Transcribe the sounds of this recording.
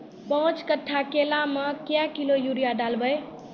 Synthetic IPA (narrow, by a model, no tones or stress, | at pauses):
pəɦũt͡ʃkəʈʰːakelaməkjakilojuɾijaɖalbəj